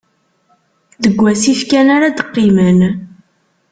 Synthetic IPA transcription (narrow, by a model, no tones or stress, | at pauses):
ðəɡʷːæsifkænaɾad̪əqːimən